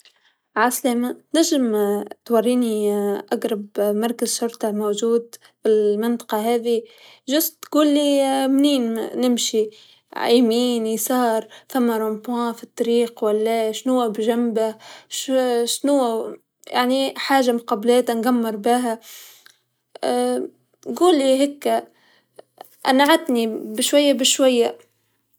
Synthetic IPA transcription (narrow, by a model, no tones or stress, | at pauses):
ʕaslaːmanaʒːɪmt̪wɑrːiːniʔaɡɾˤɑbmɑɾˤkazʃʊɾt̪ɑmowʒuːd̪ | filmɪnt̪ˤɑ̥qɑɦæːði | ʒʊsɡuːlːimniːnnɪmʃi | ʕaːmiːnisɑːɾˤfamːaɾˤɑmpwãːfit̪ˤːɑɾiːqwalːaʃnuwːabʒambaʃʃnʊwa | ja̰ʕniħaːʒːamʊqɑblaːt̪anɡamːɪɾˤbɪɦa | ɡuːlːiɦɪkːa | ʔanaʕat̪nibɪʃwajːabɪʃwajːa